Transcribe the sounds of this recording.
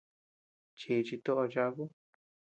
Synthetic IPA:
t͡ʃi˧˨t͡ʃi˧t̪o˦ʔo˧t͡ʃa˧˦ku˦

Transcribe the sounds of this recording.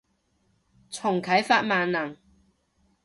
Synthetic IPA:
t͡sʰʊ˨˩ŋkʰɐ˨˥jfaː˧t̚maː˨nnɐ˨˩ŋ

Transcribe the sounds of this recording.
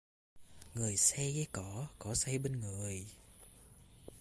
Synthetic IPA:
ŋɨ˨˩əjsɛ˧jɣaː˨˦kɔ˧˦kɔ˧˩˦sɛ˧jɓe˧nŋɨ˨˩əj

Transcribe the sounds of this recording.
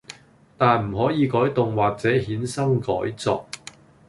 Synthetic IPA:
t̪aː˨˧nm̩˨˩ɦɔː˨˥jiː˨˧kɔː˨˥jt̪ʊ˨ŋwaː˨k̚t͡sɛː˨˥hiː˨˥nsɐ˥ŋkɔː˨˥jt͡sɔ̰ː˧k̚

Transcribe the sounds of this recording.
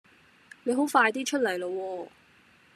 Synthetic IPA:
ne˨˧jɦo˨˥wfaː˧jt̪iː˥t͡ʃʰɵ˥t̚lɐ˨˩jlo˧wɔː˧

